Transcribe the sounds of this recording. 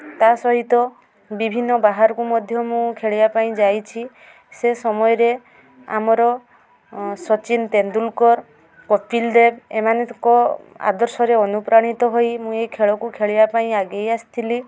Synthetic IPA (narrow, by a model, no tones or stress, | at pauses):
t̪asɔɦit̪ɔ | bibʱinːɔbaɦaɾɔkumɔd̪ʱjɔmũkʰeɭibapaĩd͡ʒajt͡ʃʰi | sesɔmɔjɔɾe | a̰mɔɾɔ | sɔt͡ʃint̪end̪ulkɔɾ | kɔpʰild̪ebḛmanekɔa̰d̪ɔɾsɔɾeɔnupɾaɽ̃it̪ɔɦojmũejkʰeɭɔkukʰeɭibapaĩaɡejasi̥t̪ʰili